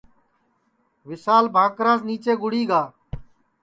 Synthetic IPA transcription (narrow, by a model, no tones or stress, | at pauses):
ʋɪsaːlbʱãːkɾaːzniːt͡ʃeːɡʊɽiːɡaː